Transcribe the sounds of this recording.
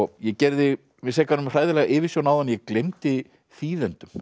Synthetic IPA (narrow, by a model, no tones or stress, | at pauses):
ɣjɛcɛɾðɪ | vɪsɛːkanʏmr̥aːjðɪlɛːɣaʔɪːvɪsjownawðanjɛklejmt̪ɪ | θiːðɛnt̪ʏm